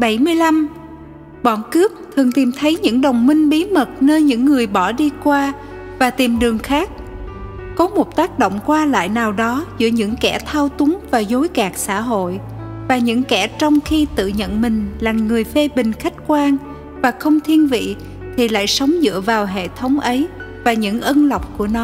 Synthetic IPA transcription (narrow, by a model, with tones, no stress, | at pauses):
ɓa˧˩jmɨ˧əjla˧m | ɓɔ˧˩nkɨ˦˥əp̚t̪ʰɨ˨˩əŋt̪i˨˩mt̪ʰə˨˦jɲɨ̰˧˥ŋɗə˨˩wŋ͡mmï˧ŋ̟ɓi˨˦mə˨˩t̚nəː˧jɲɨ̰˧˥ŋːɨ˨˩əjɓɔ˧˩ɗi˧kwaː˧ | vaː˨˩t̪i˨˩mɗɨ˨˩əŋxaː˦˥k̚ | kɔ˨˦mo˨˩t̚t̪aː˦˥k̚ɗo̰˧˨wŋ͡mkwaː˧la̰ː˧˨jnaː˨˩wɗɔ˨˦zɨ̰˧˥əɲɨ̰˧˥ŋkɛ˧˩t̪ʰaː˧wt̪ʊ˨˦ŋvaː˨˩zo˨˦jkaː˨˩k̚sa̰ː˧˥ɦo̰˧˨j | vaː˨˩ɲɨ̰˧˥ŋkɛ˧˩t͡ɕɔ˧wŋ͡mxi˧t̪ɨ̰˧˨ɲə̰˧˨nmï˨˩ŋ̟laː˨˩ŋːɨ˨˩əjfe˧ɓï˨˩ŋ̟xa˦˥jk̟̚kwaː˧ŋ | vaː˨˩xə˧wŋ͡mt̪ʰi˧ənvḭ˧˨ | t̪ʰi˨˩la̰ː˧˨jsə˨˦wŋ͡mzɨ̰˧˥əvaː˨˩wɦḛ˧˨t̪ʰə˨˦wŋ͡mʔə˨˦j | vaː˨˩ɲɨ̰˧˥ŋʔə˧nla˨˩wk͡p̚ku˧˩ənɔ˨˦